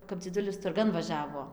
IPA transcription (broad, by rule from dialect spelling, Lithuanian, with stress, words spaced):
kɐp d͡zʲɪˈdʊlʲɪs tʊrˈɡɐn ʋɐˈʒʲæːʋoː